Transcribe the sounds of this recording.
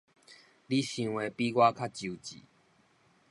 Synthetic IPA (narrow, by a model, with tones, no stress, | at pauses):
li˦˨ɕĩ˧ŋwe˨˧pi˦ɡwa˦kʰa˦t͡ɕu˨t͡ɕḭ˨